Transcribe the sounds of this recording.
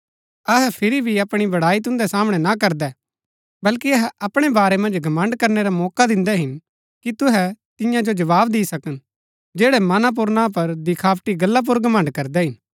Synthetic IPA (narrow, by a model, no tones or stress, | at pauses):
ɐɦɛpʰɪɾibʱiɐpɽ̃ibɐɽaːit̪̬ʊ̃nd̪ɛsaːmɽ̃ɛnakɐɾd̪ɛː | bɐlkiɐɦɛɐpɽ̃ebaːɾɛmɐ̃nd͡ʒɡʱɐmə̃ɳɖkɐɾneɾamɔːkad̪ɪ̃nd̪ɛɦɪn | kit̪ʊɦɛt̪ɪjãd͡ʒod͡ʒɐʋaːbd̪iːsɐkən | d͡ʒeːɽɛmɐnap̬ʊɾnãp̬ɐɾd̪ɪkʰaːpʈiɡɐlːap̬ʊɾɡɐmə̃ɳɖkɐɾd̪ɛɦɪn